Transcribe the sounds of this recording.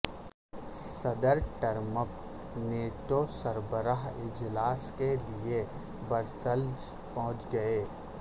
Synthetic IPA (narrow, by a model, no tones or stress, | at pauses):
sɐd̪əɾʈəɾməp | neːʈosəɾbəɾaɦɪd͡ʒlaːskelie | bəɾsəld͡ʒ | pəɦʊ̃t͡ʃɡɐeː